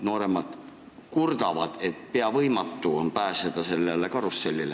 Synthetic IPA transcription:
no̞ːɾe̞mɑd̪̥ | kurd̪̥ɑvɑd̪̥et̪pe̞ɑvɤjmɑt̪ːuonpæːsed̪̥ɑse̞lːelekɑɾusːelʲːile

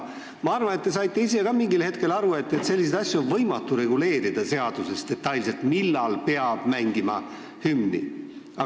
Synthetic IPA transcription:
mɑɑrvɑne̞t̪ːe̞s̬ɑjt̪ːˑe̞is̬e̞kɑmiŋɡilhe̞t̪̚ke̞lɑɾue̞t̪ːe̞t̪se̞lʲːis̬ed̪ɑsʲjuonvɤ̞jmɑt̪ːˑuɾe̞ɡule̞ːɾid̪̥ɑse̞ɑd̪̥use̞st̪e̞t̪ːˑɑjlse̞lt̪milːɑlpe̞ɑb̥mæŋɡimɑ̰ | hymnḭ | ɑ

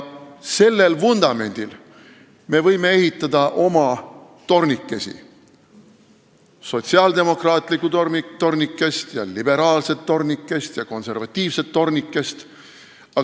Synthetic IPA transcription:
se̞lːe̞lfund̪̥ɑme̞nʲd̪̥il | me̞vɤjme̞e̞ɦit̪ːˑɑd̪̥ɑʔo̞mɑ | t̪o̞rnikːe̞sḭ | so̞t̪ʲsiɑld̪e̞mo̞krɑːt̪ˑlikːˑut̪t̪o̞rnikːe̞st̪jɑ̰lib̥e̞ɾɑːlse̞t̪ːo̞rnikːe̞st̪jɑko̞nse̞rvɑt̪ʲːˑiːvse̞t̪ːo̞rnikːˑe̞st̪ | ɑ

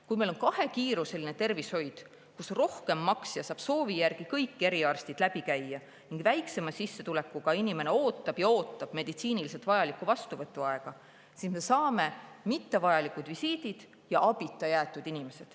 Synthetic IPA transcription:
kujmejlo̞nkɑhe̞kiːɾuse̞line̞t̪e̞rvisho̞jd̪̥ | kusro̞hke̞mːɑksjɑsɑːb̥so̞ːvijærɡ̥ikɤjkːe̞ɾiɑrst̪id̪̥læb̥ikæjːɑ | niŋɡ̥væjkse̞mɑsisːe̞t̪ule̞kːˑukɑinime̞ne̞o̞ːt̪ːˑɑb̥jɑo̞ːt̪ːˑɑb̥me̞d̪it̪siːnilis̬e̞lt̪vɑjɑlikːuvɑst̪uvɤt̪ːˑuɑe̞ɡ̥ɑ | sisme̞sɑːme̞mit̪ːe̞vɑjɑlikud̪visiːd̪̥id̪̥ | jɑʔɑb̥it̪ːˑɑjæːt̪ːˑud̪̥inime̞se̞d̪̥

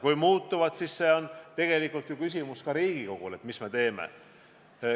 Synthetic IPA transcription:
kujmuːt̪ːuvɑd̪sisːe̞o̞nt̪e̞ɡ̥e̞likːˑult̪jukys̬ʲimuskɑɾiːɡ̥iko̞ɡ̥ule̞t̪misme̞t̪e̞ːmḛ

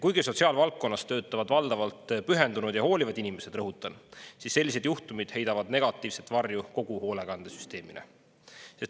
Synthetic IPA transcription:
kujɡ̥iso̞t̪siɑːlvɑlkkːo̞nːɑst̪ø̞ːt̪ːˑɑvɑd̪vɑld̪̥ɑvɑlt̪ˑpyɦe̞nd̪unud̪̥jɑho̞ːlʲivɑd̪inime̞se̞d̪rɤɦut̪ːˑɑnsisːe̞lːise̞d̪̥juht̪umid̪̥he̞jd̪ɑvɑd̪ne̞ɡ̥ɑt̪ːˑiːvset̪ːˑvɑrjuko̞ɡ̥uho̞ːleɡ̥ɑnd̪̥esy̥st̪e̞ːminʔḛ | se̞s

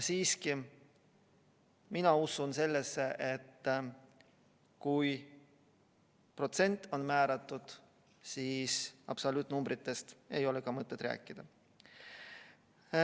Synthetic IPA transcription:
siːski | minɑusunse̞lːesːe̞ʔet̪ː | kuj | pro̞t̪se̞nʲt̪ːˑo̞nmæːɾɑt̪ːˑud̪̥ | siːsɑ̰b̥solut̪ːnumbɾit̪ːe̞st̪e̞jo̞lekɑmɤt̪ˑːed̪̥ræ̰ːkːˑid̪̥ɑ

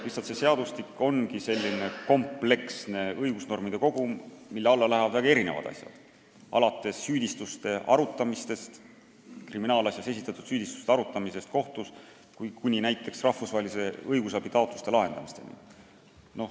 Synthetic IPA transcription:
lisɑlt̪sese̞ɑd̪̥ust̪ikːo̞nkise̞lʲːine̞ko̞mple̞ksne̞ɤjɡ̥usno̞rmid̪̥e̞ko̞ɡ̥umilːeɑlːɑlæhɛɑd̪væɡɑe̞ɾine̞̰vɑ̰d̪̥ɑ̰sʲjɑ̰d̪̥ | ɑ̰lɑt̪ːˑe̞sːyːd̪̥ʲist̪ust̪e̞ʔɑ̰ɾut̪ːˑɑmist̪e̞st̪ | kriminɑːlɑsʲjɑse̞sit̪ːˑɑt̪ːˑud̪̥syːd̪̥ist̪u̥st̪eɑɾut̪ːˑɑmise̞st̪ko̞ht̪us | kujkunʲinæjt̪ːˑe̞ksrɑhfusvɑɦelʲise̞ɤjɡus̬ɑb̥it̪ɑot̪lust̪e̞lɑɦe̞nd̪̥ɑmist̪e̞nḭ | noh

